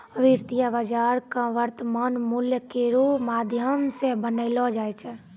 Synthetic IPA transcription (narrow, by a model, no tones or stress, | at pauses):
əʋiɾt̪ijabad͡ʒaːɾkaʋəɾt̪əmanmuljəkeɾomaːd̪ʱjəmsẽbənəɪlɔd͡ʒaːjt͡ʃʰɛ